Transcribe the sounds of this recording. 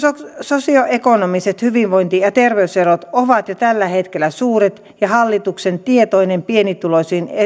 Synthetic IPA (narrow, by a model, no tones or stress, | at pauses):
sososioʔekonomiset̪hyʋiʋʋoint̪ijɑt̪erʋeyserot̪oʋɑt̪jot̪ælːæhet̪kelːˑæsuːret̪ | jɑhɑlːit̪uksent̪iet̪oinempienit̪ulosiːne